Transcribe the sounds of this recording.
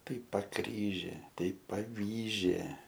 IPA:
ˈtɐɪ pɐˈkrʲiːʒʲeː ˈtɐɪ pɐˈʋʲiːʒʲeː

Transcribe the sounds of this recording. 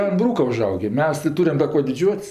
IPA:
ɐn ˈbruːkɐ ʊˈʒɐʊɡʲeː ˈmʲɛs tɜ ˈtuːrʲɛm dɐ ˈkuɔ dʲɪˈd͡ʒʲuɔtʲsʲ

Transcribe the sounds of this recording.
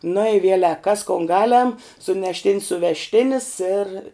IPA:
nʊ ɪ ˈʋʲiɛlʲɛk kɐs koːn ˈɡɑːˌlʲɛm sʊnʲɛʃʲˈtʲɪnʲs sʊʋʲɛʃʲˈtʲɪnʲɪs ɪr

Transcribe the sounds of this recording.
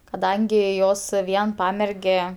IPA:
kɐˈdɐŋʲɡʲɪ ˈjoːs ˈʋʲiɛn ˈpɑːmʲɛrʲɡʲɛ

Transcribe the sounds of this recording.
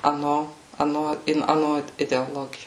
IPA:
ɐˈnoː ɐˈnoː ɪn ɐˈnoː ɪdʲɛoːˈlˠoːɡʲɪjoː

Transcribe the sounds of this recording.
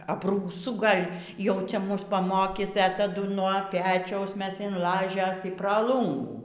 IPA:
ɐbruːˈsʊ ˈɡɐlʲ jɛʊ ˈt͡sʲɛ ˈmʊs pɐˈmoːkʲiːs ɛ tɐˈdʊ nuɔ ˈpʲæːt͡ʃʲɛʊs ˈmʲɛs ɪn ˈlˠɑːʒʲeːs ɪ prɐ ˈlˠuːŋɡuː

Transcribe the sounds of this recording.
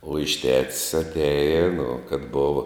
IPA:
uɔ ɪʃ tʲɛts ɐtʲˈæːjɪ nʊ kɐt ˈboːʋɐ

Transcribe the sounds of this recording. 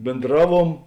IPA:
bʲeːnˈdrɑːˌʋuɔm

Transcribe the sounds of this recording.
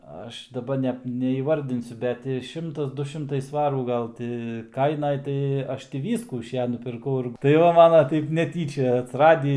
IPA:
ˈɐʃ dɐˈbɐ nʲɛ nʲɛiːˈʋɐrʲdʲɪnʲsʲʊ ˈbʲɛt tʲɪ ˈʃʲɪmtɐs ˈdʊ ˈʃʲɪmtɐɪ ˈsʋɑːruː ˈɡɐlˠ tʲɪ ˈkɐɪnɐj ˈtɐɪ ˈɐʃ tʲɪ ˈʋʲiːskuː ɪʃ ˈjɛ nʊpʲɪrˈkɐʊ ɪr tɐɪ ˈʋɐ ˈmɑːnɐ ˈtɐɪp nʲɛˈtʲiːt͡ʃʲɛ ɐtʲsʲɪˈrɑːdʲiː

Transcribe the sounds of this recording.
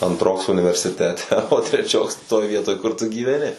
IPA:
ɐntˈroːks ʊnʲɪʋʲɛrʲsʲɪˈtʲæːtʲɛ oː tʲrʲɛˈt͡ʃʲoːks toːj ˈʋʲiɛtoːj ˈkʊr tʊ ɡʲiːʋʲɛˈnʲɪ

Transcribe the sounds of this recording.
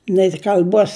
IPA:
nʲɛɪ kɐlʲˈbuɔs

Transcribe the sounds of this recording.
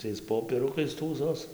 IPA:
ˈtɐɪs ˌpoːpʲiɛˈrʊkɐɪs ˈtuːsoːs

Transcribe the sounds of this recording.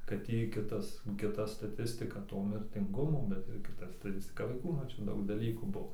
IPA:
ˈkɐt jɛɪ ˈkʲɪtɐs kʲɪˈtɐ stɐˈtʲɪsʲtʲɪkɐ ˈtoː mʲɪrʲtʲɪŋˈɡʊmoː bʲɛt ɪr ˈkʲɪtɐ stɐˈtʲɪsʲtʲɪkɐ ʋɐɪˈkuː ˈnʊ ˈt͡ʃʲɛ ˈdɐʊk dɐˈlʲiːkuː ˈbuɔ

